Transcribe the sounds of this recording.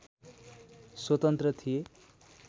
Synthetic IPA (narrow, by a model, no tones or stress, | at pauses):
swʌt̪ʌnt̪rʌt̪ʰije